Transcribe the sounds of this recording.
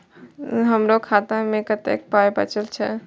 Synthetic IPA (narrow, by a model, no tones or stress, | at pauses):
ɦəmɾokʰat̪ãmẽkət̪ḛk̚pajbə̰t͡ʃəlt͡ʃʰɛ